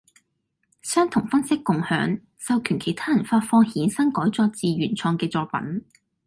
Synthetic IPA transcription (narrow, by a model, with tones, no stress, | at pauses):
sœː˥ŋt̪ʰʊ˨˩ŋfɐ˥nsɪ˥kːʊ˨ŋhœ̰ː˨˥ŋ | sɐ˨˧wkʰyː˨˩nkʰe˨˩jt̪ʰaː˥jɐ˨˩nfaː˧t̚fɔː˧ŋhiː˨˥nsɐ˥ŋkɔː˨˥jt͡sɔː˧˥t͡siː˨ɥyː˨˩nt͡sʰɔː˧ŋkɛː˧t͡sɔː˧k̚pɐ̰˨˥n